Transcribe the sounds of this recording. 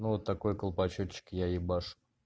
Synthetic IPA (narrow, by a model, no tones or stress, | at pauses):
nuvot̪ːɐko̞jkəlˠpɐt͡ɕot͡ɕːɪ̥kjaɪbaʂ